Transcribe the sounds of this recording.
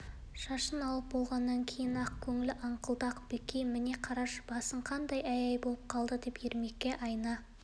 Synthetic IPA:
ʃɑʃənɑlˠəp̚bo̞lˠʁɑnːɑŋkʲʰe̞jɪnɑqkʲʰɵŋɪlɪʔɑɴqəlˠd̪ɑqb̥ekʲejmɪne̞qʰɑɾɑʃb̥ɑsəɴqʰɑnd̪ɑjæjɑjbo̞lˠəp̚qʰɑlˠd̪əd̪e̞pjeɾmekʲːe̞ʔɑjnɑ

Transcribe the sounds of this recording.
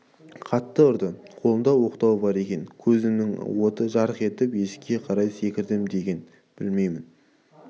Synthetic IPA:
qʰɑt̪ːəʊɾd̪ə | qʰo̞lˠənd̪ɑwo̞qt̪ɑwbɑɾe̞kʲe̞nkʲʰɵzɪmnɪŋwo̞t̪əʒɑɾəχe̞t̪ɪpje̞skʲe̞qʰɑɾɑjse̞kʲɪɾd̪ɪmd̪e̞ɡʲe̞n | b̥ɪlme̞jmɪn

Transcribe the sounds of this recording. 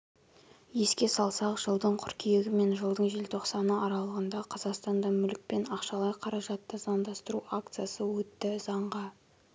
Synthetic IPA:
je̞skʲe̞sɑlˠsɑqʒ̥əlˠd̪əɴqʰʊɾkʲʰijeɡʲɪme̞nʒəlˠd̪əɴʒe̞lt̪ʰo̞qsɑnəɑɾɑlˠəʁənd̪ɑqʰɑzɑqst̪ɑnd̪ɑmʏlɪk̚pe̞nɑqʃɑlˠɑjqʰɑɾɑʒɑt̪ːəzɑmd̪ɑst̪əɾuak̚t̪sɨjasəwɵt̪ːɪzɑɴʁɑ

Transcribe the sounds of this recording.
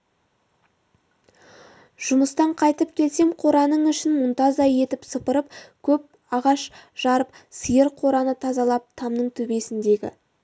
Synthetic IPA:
ʒ̥ʊməst̪ɑɴqʰɑjt̪əp̚kʲʰe̞lse̞mqʰo̞ɾɑnəɴʏʃɪnmʊnt̪ɑzɑje̞t̪ɪpsəpəɾəpkʲʰɵp̚ | ɑʁɑʃʒ̥ɑɾəp̚ | səjəɾqʰo̞ɾɑnət̪ʰɑzɑlˠɑp̚t̪ʰɑmnəɴt̪ʰɵbe̞sɪnd̪e̞ɡʲɪ̰

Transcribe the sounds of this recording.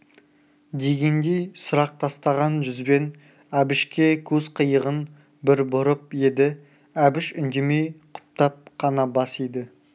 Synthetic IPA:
d̪e̞ɡʲe̞nd̪e̞jsʊɾɑq̚t̪ʰɑst̪ɑʁɑnʒʏzbe̞n | æbɪʃkʲe̞kʲʰɵz̥qʰəjəʁən | bɪɾbʊɾəp̚je̞d̪ɪ | æbɪʃʏnd̪e̞me̞jqʰʊ̥p̚t̪ɑp̚qʰɑnɑbɑsijd̪ɪ

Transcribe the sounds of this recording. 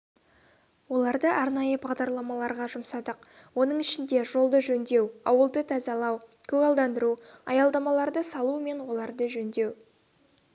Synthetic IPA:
wo̞lˠɑɾd̪əʔɑɾnɑjəbɑʁd̪ɑɾlˠɑmɑlˠɑɾʁɑʒʊmsɑd̪əq̚ | wo̞nəɴɪʃɪnd̪e̞ʒo̞lˠd̪əʒɵnd̪e̞wɑwəlˠd̪ət̪ʰɑzɑlˠɑwkʲʰɵɡɑlˠd̪ɑnd̪əɾuɑjɑlˠd̪ɑmɑlˠɑɾd̪əsɑlˠume̞nwo̞lˠɑɾd̪əʒɵnd̪e̞w

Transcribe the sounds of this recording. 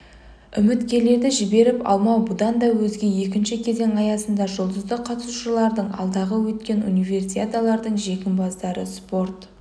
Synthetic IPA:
ʏmɪt̪kʲe̞le̞ɾd̪ɪʒɪbe̞ɾɪpɑ̰lˠmɑwbʊd̪ɑnd̪ɑwɵzɡʲe̞je̞kʲɪnʃɪkʲʰe̞ze̞ŋɑjɑsənd̪ɑʒʊlˠd̪əzd̪əqʰɑt̪əsuʃəlˠɑɾd̪əɴɑ̰lˠd̪ɑʁəwɵt̪kʲe̞nunijve̞rsʲijat̪alˠɑɾd̪əɴʒe̞kʲɪmbɑzd̪ɑɾə̰spo̞rt̪

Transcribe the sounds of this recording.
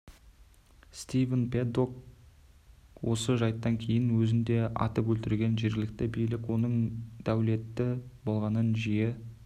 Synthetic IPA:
st̪ivənped̪ok̚ | wo̞səʒɑjt̪ːɑŋkʲʰe̞jɪnwɵzɪnd̪e̞ɑ̰t̪əpwɵlt̪ɪɾɡʲe̞nʒe̞ɾɡʲɪlɪk̚t̪ɪbijlɪkwo̞nəɴd̪̥æwle̞t̪ːɪbo̞lˠʁɑnənʒije

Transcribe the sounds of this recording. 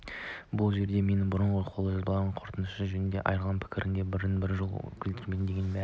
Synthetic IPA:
bʊlˠʒe̞ɾd̪e̞me̞nɪbʊɾəɴʁəqʰo̞lˠəʒɑzbɑʁɑɴqʰoɾt̪ənəʃəʒɵnɪnd̪eʔɑ̰jɾlˠɑnpʰɪ̥kʲʰɪɾʔɪ̰nd̪ebɪɾɪnbɪɾʒol̰ˠkʲʰɪlt̪ɪɾmend̪eɡʲemæ

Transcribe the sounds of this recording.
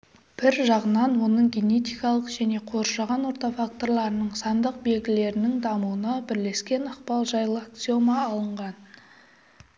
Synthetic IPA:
b̥ɪɾʒɑʁənɑnwo̞nəɴɡʲe̞ne̞t̪ijkɑlˠəqʒæne̞qʰo̞ɾʃɑʁɑnwo̞ɾt̪ɑfak̚t̪o̞ɾlˠɑɾənəɴsɑnd̪əq̚be̞lɡʲɪle̞ɾɪnɪŋd̪ɑmuənɑbɪɾle̞skʲe̞nɑqpɑlˠʒɑjlˠəkt̪so̞mɑːlˠəɴʁɑn

